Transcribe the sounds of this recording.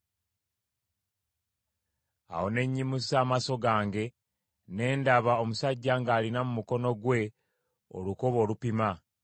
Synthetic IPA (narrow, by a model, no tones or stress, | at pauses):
a̰ho̞ne̞ɲːimusaːmaso̞ɡaːŋɡe̞ | ne̞ːndaβao̞musaɟːaŋɡaːlinamumuko̞no̞ɡwe̞ | o̰lukoβo̞ːlupima